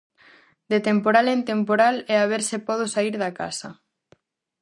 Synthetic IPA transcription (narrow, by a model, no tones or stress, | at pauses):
d̪et̪empoɾalent̪empoɾalɛaβ̞eɾsepɔð̞osaiɾðaka̰sɐ